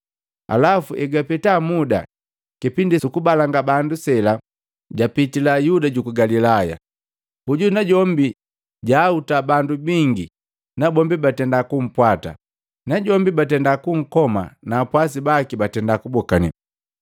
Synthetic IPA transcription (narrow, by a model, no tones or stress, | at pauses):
a̰lafuʔɛɡapɛtamuda̰ | kipindisukubalaŋɡabandusɛla | ɟapitilajudaɟukuɡalilaja̰ | huɟunaɟɔmbi | ɟaːutabandubiŋɡi | nabɔmbibatɛndakum̩pwata̰ | naɟɔmbibatɛndakuŋ̩kɔma̰naːpwas̬ibakibatɛndakubɔkanḭ